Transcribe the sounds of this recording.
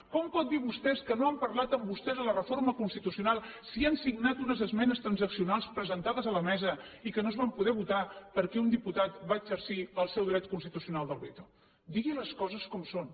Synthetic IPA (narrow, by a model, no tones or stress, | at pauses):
kɔmpɔt̪̚d̪iβust̪ɛskənoampəɾlat̪əmbust̪ɛzələrəforməkunst̪it̪usiunalˠsiansiɡnat̪unəzəzmɛnəst̪ɾənzəksiunalˠspɾəzənt̪aðəzələmɛzəikənozβampuðɛβ̞ut̪apəɾkɛund̪iput̪at̪baəɡzəɾsiəlˠsɛwd̪ɾɛt̪̚kunst̪it̪usiunalˠd̪əlˠβet̪o | d̪iɣiləskɔzəskɔmson